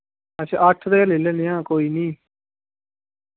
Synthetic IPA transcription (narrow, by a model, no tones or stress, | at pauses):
ət͡ʃʰːəʈʰd̪eːlelenɪjãːkoːiːnĩː